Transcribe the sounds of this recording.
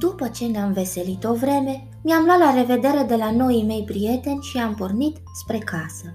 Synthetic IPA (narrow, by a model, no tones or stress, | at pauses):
d̪upət͡ʃe̞neamve̞se̞lit̪o̞vɾe̞me̞ | miamlwat̪lare̞ve̞d̪e̞ɾe̞d̪e̞lano̞jime̞jpɾije̞t̪e̞nʲʃiampo̞rnit̪ | spɾe̞kʰasə